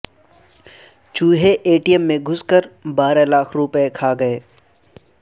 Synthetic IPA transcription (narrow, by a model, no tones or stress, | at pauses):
t͡ʃuːɦeʔeːʈijəmːẽɡʱʊskəɾbaːɾalaːkʰɾʊpekʰaːɡɐeː